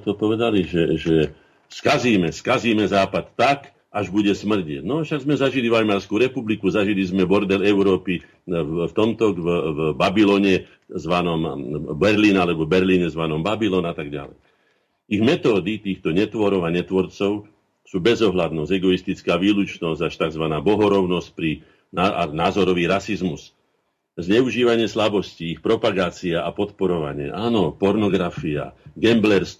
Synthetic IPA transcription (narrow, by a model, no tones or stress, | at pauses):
t̪ɔpɔʋɛd̪aliʒɛʒɛ | skaziːmɛskaziːmɛzaːpat̪ːak | aʒbuɟɛsmr̩ɟiɪɛɟnɔʃaɡzmɛzaʒilivamaːɾskuɾɛpublikuzaʒilizmɛbɔɾd̪ɛlɛʊɾɔːpi | ft̪ɔmt̪ɔɡvvbabilɔːɲɛ | zʋanɔmbɛɾliːnalɛbɔbɛɾliːɲɛzʋanɔmbabilɔːnat̪aɡɟa̰lɛ̰j | iɣmɛt̪ɔːd̪it̪iːxt̪ɔɲɛt̪ʋɔɾɔʊaɲɛt̪ʋɔɾt͡sɔʊ | suːbɛzɔɦlad̪nɔsɛɡɔist̪it͡skaːʋiːlut͡ʃnɔzɟaʃt̪aɡzʋanaːbɔɦɔɾɔʊnɔsc̚pɾi | naa̰naːzɔɾɔʋiːɾasizmus | zɲɛuʒiːʋaɲɪɛslabɔsciixpɾɔpaɡaːt͡siaʔapɔt̪pɔɾɔʋa̰ɲɪɛ̰ʔaːnɔpɔɾnɔɡɾafia̰ɡɛmblɛɾs